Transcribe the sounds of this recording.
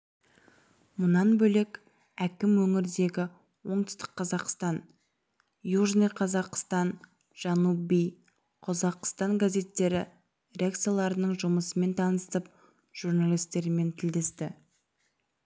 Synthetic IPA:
mʊnɑnbɵlekʲ | ækʲɪmwɵŋɪɾd̪e̞ɡʲɪ | wo̞ɴt̪ʏ̥st̪ə̥qʰːɑzɑqst̪ɑn | juʒnijqʰɑzɑqst̪ɑn | ʒ̥ɑnubij | qʰozɑqst̪ɑŋɡaze̞t̪ːe̞ɾɪ | rʲeakt̪sijalˠɑɾənəɴʒʊməsəme̞nt̪ʰɑnəst̪əp̚ | ʒ̥uɾnalʲˠijst̪ːe̞ɾɪme̞nt̪ʰɪld̪est̪ɪ

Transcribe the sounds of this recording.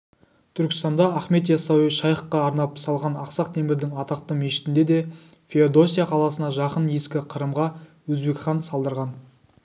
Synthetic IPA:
t̪ʰʏɾkʲɪ̥st̪ɑnd̪ɑːχme̞t̪jɑsɑwiʃɑjχəqːɑːɾnɑpsɑlˠʁɑnɑqsɑqt̪ʰe̞mɪɾd̪ɪŋɑt̪ɑq̚t̪əme̞ʃɪ̥t̪ɪnd̪ed̪e̞ | fʲeod̪o̞sʲijaqʰɑlˠɑsənɑʒɑqənje̞skʲɪqʰəɾəmʁɑwɵzbe̞kχɑnsɑlˠd̪əɾʁɑn

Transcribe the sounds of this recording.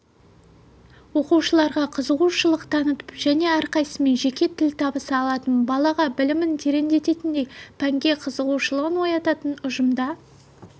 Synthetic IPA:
wo̞quʃəlˠɑɾʁɑqʰəzəʁuwʃəlˠəqt̪ʰɑnət̪ə̥pʒ̥æne̞æɾqɑjsəme̞nʒe̞kʲe̞t̪ʰɪlt̪ʰɑbəsəɑlˠɑt̪ənbɑlˠɑʁɑbɪlɪmɪnt̪ʰeɾe̞nd̪e̞t̪e̞t̪ɪnd̪e̞jpʰæŋɡʲe̞qʰəzəʁuʃəlˠəʁənwo̞jɑt̪ɑt̪ənʊʒəmd̪ɑ

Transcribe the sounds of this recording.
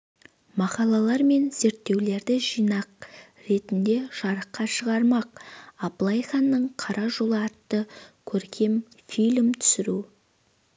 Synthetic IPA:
mɑqɑlˠɑlˠɑɾme̞nze̞ɾt̪ːe̞wle̞ɾd̪ɪʒijnɑq̚ | ɾe̞t̪ɪnd̪e̞ʒ̥ɑɾəqːɑʃəʁɑɾmɑq̚ɑblˠɑjχɑnːəɴqʰɑɾɑʒo̞lˠəɑt̪ːəkʲʰɵɾkʲʰe̞m | filʲmt̪ʰʏ̥sɪɾu

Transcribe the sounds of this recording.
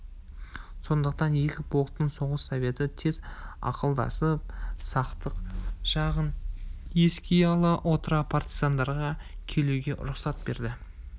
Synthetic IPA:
so̞nd̪əqt̪ɑnje̞kʲɪbo̞lˠt̪ːəɴso̞ʁəsːove̞t̪ɪt̪ʰe̞zɑ̰qəlˠd̪ɑ̰səp̚sɑqt̪əqʒɑʁənje̞skʲejɑlˠəʔo̞t̪əɾɑpʰart̪izand̪ɑɾʁɑkʲʰe̞luɡʲe̞ʔʊ̰ɾʊqsɑt̪̚be̞ɾd̪ɪ

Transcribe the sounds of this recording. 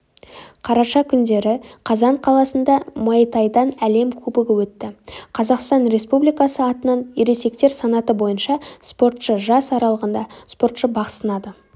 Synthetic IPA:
qʰɑɾɑʃɑkʲʰʏnd̪e̞ɾɪqʰɑzɑɴqʰɑlˠɑsənd̪ɑmɑt̪ɑjd̪ɑnæle̞mkʲʰɵbɪɡʲɪwɵt̪ːɪqʰɑzɑqst̪ɑnɾe̞spublijkɑsəɑt̪ənɑniɾe̞se̞kt̪e̞ɾsɑnɑt̪əbo̞jənʃɑspo̞ɾt̪ʃəʒɑsɑɾɑlˠəʁənd̪ɑspo̞ɾt̪ʃəbɑqsənɑd̪ə

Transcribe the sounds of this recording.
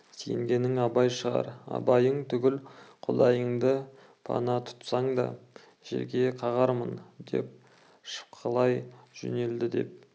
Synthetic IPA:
sḛŋɡʲe̞nɪŋɑbɑjʃəʁɑ̰ɾɑ̰bɑjəɴt̪ʰʏɡʲɪlqʰod̪ˠɑjəɴd̪ə | pʰɑ̰nɑt̪ʰʊ̥t̪sɑɴd̪ɑ̰ | ʒ̥ḛɾɡʲe̞qʰɑʁɑɾmənd̪e̞̰p̚ | ʃə̥p̚qʰəlˠɑjʒ̥ʏ̰ne̞ld̪ɪd̪e̞̰p̚

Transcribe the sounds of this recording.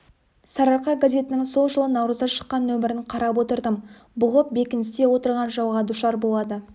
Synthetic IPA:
sɑɾɑɾqɑɡazʲe̞t̪ɪnɪŋso̞lˠʒəlˠənɑwɾəzʁɑʃə̥qːɑnːɵmɪɾɪɴqʰɑɾɑpwo̞t̪əɾd̪əm | bʊʁəp̚be̞kʲɪnɪst̪e̞wo̞t̪əɾʁɑnʒɑwʁɑd̪uʃɑɾbo̞lˠɑd̪ə

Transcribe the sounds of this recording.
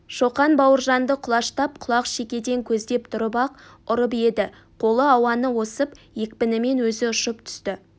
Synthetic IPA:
ʃoqɑnbɑwəɾʒɑnd̪əqʰʊlˠɑʃt̪ɑp̚qʰʊlˠɑqʃe̞kʲe̞d̪e̞ŋkʲʰɵzd̪e̞pt̪ʰʊɾəpɑqʊɾəp̬e̞d̪ɪ | qʰo̞lˠəɑwɑnəwo̞səpje̞kʲpɪnɪme̞nwɵzɪʊʃəpt̪ʰʏ̥st̪ɪ

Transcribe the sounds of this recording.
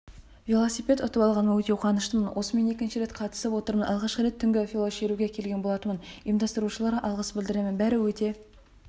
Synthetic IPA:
vʲilˠo̞sijpʲe̞t̪ʊt̪əpɑlˠʁɑnmənwɵt̪e̞wqʰɑnəʃt̪əmənwʔo̞səme̞ne̞kʲɪnʃɪɾe̞t̪qʰɑt̪ə̥səpwo̞t̪əɾmənʔɑ̰lˠʁɑʃqəɾe̞t̪ʰːʏŋɡʲɪfʲilˠoʃe̞ɾuɡʲekʲʰe̞lɡʲe̞nbolˠɑt̪əmənijmd̪ɑst̪əɾuʃəlˠɑɾɑʔɑlˠʁəsbɪld̪ɪɾe̞mɪnbæɾɪwɵt̪e̞

